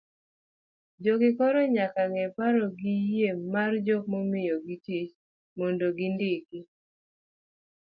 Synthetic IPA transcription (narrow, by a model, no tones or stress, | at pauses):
d͡ʒɔɡɪkɔɾɔɲakaŋɛpaɾɔɡijemːard͡ʒɔmomɪjɔɡitit͡ʃ | mondoɡɪndɪkɪ